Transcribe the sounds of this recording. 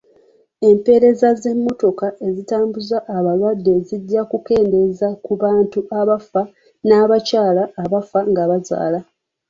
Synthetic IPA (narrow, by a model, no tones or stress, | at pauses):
e̞mpe̞ɾe̞zaze̞mːo̞to̞kaʔe̞zitaːmbuzaʔːβalwadːe̞zidːakuke̞ːnde̞zakuβaːntuʔaβafa | naːβacaːlaːβafaŋɡaβaza̰ːla